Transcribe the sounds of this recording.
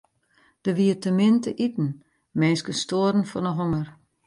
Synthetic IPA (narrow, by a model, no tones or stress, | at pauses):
d̥əʋiətəmɪntəʔitn̩ | mɛːnskəstoːəɾən̩fɔnəɦoŋər